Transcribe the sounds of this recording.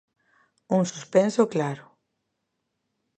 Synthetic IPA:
uŋsuspɛnsoklaɾʊ

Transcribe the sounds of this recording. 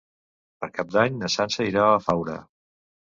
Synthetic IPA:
pəɾkap̚d̪aɲnəsansəiɾaəfawɾə̰

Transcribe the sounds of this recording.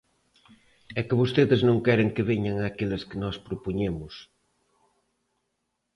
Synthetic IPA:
ɛkɪβost̪eðɪznõŋkɛɾɪŋkɪβeɲaŋaːkelɪskɪnɔspɾopoɲemʊs

